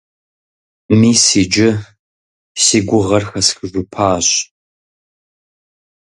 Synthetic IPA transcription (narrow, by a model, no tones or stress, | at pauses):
miːsiːd͡ʒɪ | siːɡʷʊʁɐrxɐsxɨʒʷʊpʰaːɕ